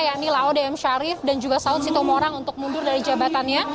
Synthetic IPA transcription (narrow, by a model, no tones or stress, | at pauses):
jaʔnilaɔdeɛmʃaɾɪfdand͡ʒuɡasaʊt̪sit̪ɔmoɾaŋunt̪ʊk̚mundʊrdaɾid͡ʒabat̪anɲa